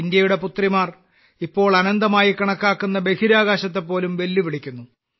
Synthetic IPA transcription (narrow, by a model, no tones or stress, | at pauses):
ind̪jɐjuɽe̞put̪rimaːr | ipːo̞ːɭɐnɐnd̪ɐmaːjikɐɳɐkːaːkːunːɐbe̞kʰiɾaːɣaːɕɐt̪̬ːe̞pːo̞ːlumʋe̞lːiʋiɭikʲːunːu